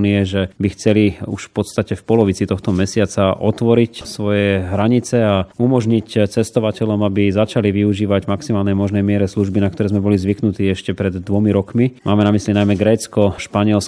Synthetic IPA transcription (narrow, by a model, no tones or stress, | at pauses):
niɛʒɛbixt͡sɛliṵʃfpɔt̪st̪acɛfpɔlɔʋit͡sit̪ɔxt̪ɔmɛsɪat͡saʔɔt̪ʋɔɾicsʋɔjɛɦɾaɲit͡sɛaumɔʒɲict͡sɛst̪ɔʋacɛʎɔmabizat͡ʃaliʋiuʒiːʋaɟmaksimaːlnɛjmɔʒnɛjmɪɛɾɛsluʒbinakt̪ɔɾɛːzmɛbɔlizʋiknut̪iːɛʃcɛpɾɛd̪ːʋɔmiɾɔkmimʔaːmɛnamislinajmɛɡɾɛːt͡skɔʃpaɲɪɛls